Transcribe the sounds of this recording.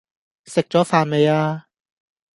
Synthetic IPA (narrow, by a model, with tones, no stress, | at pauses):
sɪ˨k̚t͡ɕɔː˨˥faː˨˧nme˨˧jaː˧